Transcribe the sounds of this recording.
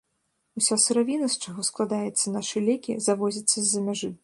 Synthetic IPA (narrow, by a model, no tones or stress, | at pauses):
usʲasɨɾavʲinɐst͡ʂaɣɔsklˠad̪ajɛt̪sːɐnaʂɨlʲɛkʲḭzavɔzʲɐt̪sːɐzʲːɐmʲaʐɨ